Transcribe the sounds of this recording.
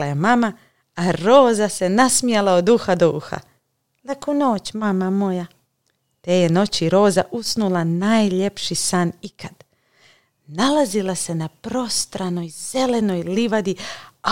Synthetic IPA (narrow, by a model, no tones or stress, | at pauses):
ajemama | aɾo̞ːzase̞nasmijelaod̪uːxad̪uːxa̰ | lakono̞ːt͡ɕmamamo̞ja | t̪ejeno̞t͡ɕiɾo̞ːzaʔusnulanaːjʎe̞pʃisanikʰad̪ | nalazilˠase̞napɾo̞st̪ɾano̞jz̥e̞le̞no̞jliʋad̪ia